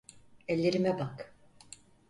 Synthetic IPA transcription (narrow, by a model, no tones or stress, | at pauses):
ɛlʲːe̞ɾimɛbak